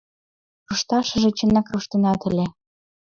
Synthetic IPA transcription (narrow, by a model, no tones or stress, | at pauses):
ruʃt̪ɑʃɤ̆ʒĕt͡ɕə̆nækruʃt̪ĕnɑt̪ɘ̆lʲĕ